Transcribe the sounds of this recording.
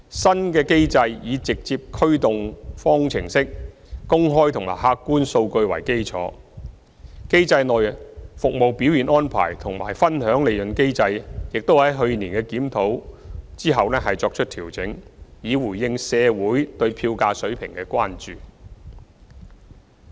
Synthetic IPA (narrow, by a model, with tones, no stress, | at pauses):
sɐ˥nkɛː˧ke˥jt͡sɐ˧jjiː˨˧t͡sɪ˨k̚t͡siː˧p̚kʰɵ˥ɥt̪ʊ˨ŋfɔː˥ŋt͡sʰɪ˨˩ŋsɪ˥k̚ | kʊ˥ŋɦɔː˥jt̪ʰʊ˨˩ŋma̰ː˨˩ɦaː˧kːuː˥nso˧wkɵ˧ɥwɐ˨˩jke˥jt͡sʰɔ̰ː˨˥ | ke˥jt͡sɐ˧jnɔː˨jfʊ˨k̚mo˨wpi˨˥wjiː˨˩nɔː˥npʰa̰ː˨˩jt̪ʰʊ˨˩ŋmaː˨˩jfɐ˥nɦœː˨˥ŋle˨˧jlɵ˨nke˥jt͡sɐ˧jjɪ˨k̚t̪o˥whɐ˨˥jɦɵ˧ɥniː˨˩nkɛː˧kiː˨˥mt̪ʰo˨˥w | t͡siː˥ɦɐ˨wlɛː˥ɦɐ˨jt͡sɔː˧k̚t͡ʃʰɵ˥t̪ʰiː˨˩wt͡sɪ˨˥ŋjiː˨˧wuː˨˩jjɪ˧ŋsɛː˨˧wuː˨˥jt̪ɵ˧ɥpʰiː˧wkaː˧sɵ˨˥ɥpʰɪ˨˩ŋkɛː˧kʷaː˥nt͡ʃyː˨